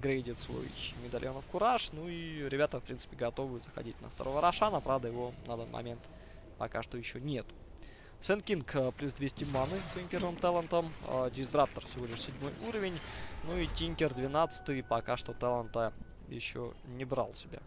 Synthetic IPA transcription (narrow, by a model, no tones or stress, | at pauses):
ɡɾʲejdʲɪt̪svo̰ɪmʲɪd̪ɐl̰ʲonəfkʊɾaʂnuiɾʲɪbʲat̪əfpɾʲint̪sɨ̥pʲɪɡɐt̪o̞vɨzəxɐ̰dʲit̚ʲnə̰ft̪ɐ̰ɾovəɾɐʂanəpɾavd̪əjɪvonɐɐd̪anmʔɐ̰mʲe̞nt̪ | pɐkaʂt̪ojɪɕːonʲe̞t̪ʊ̥ | sɛnkʲinkplʲusd̪vʲesʲtʲɪmanɨsvɐimpʲe̞rvɨmt̪ɛlˠənt̪əm̰dʲɪszd̪ɾapt̪ərfsʲɪvo̞lʲɪʂsʲɪdʲmo̞juɾəvʲɪnʲnuitʲiŋʲkʲɪrd̪vʲɪnat̪sɨ̥t̪ɨjpɐkaʂt̪o̞t̪ɛlˠənt̪ə | jɪ̰ɕːo̰nʲɪbɾa̰lˠsʲɪbʲa̰